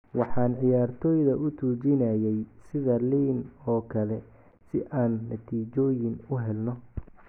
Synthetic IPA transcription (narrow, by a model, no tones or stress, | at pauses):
wɑħɑːnʕɪjaːrt̪ʰɔːjðɐʔʊt̪ʰuːt͡ʃɪnɐjɛjsɪðɐliːnɔːkʰɐlɛ | sɪʔaːnːɐt̪ʰiːt͡ʃɔːjɪnʊɦɛlnɔ